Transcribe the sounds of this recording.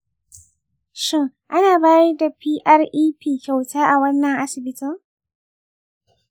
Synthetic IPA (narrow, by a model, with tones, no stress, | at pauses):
ʃɪ˦ŋ | ʔa˦naː˨baː˦jɐ˦da˨piː˦ʔɐ˦rʔiː˦piː˦˨kʲa˨wtaː˦ʔa˨wɐ˦nːɐ˨ŋʔa˦sɪ˨bɪ˦tɪ˦ŋ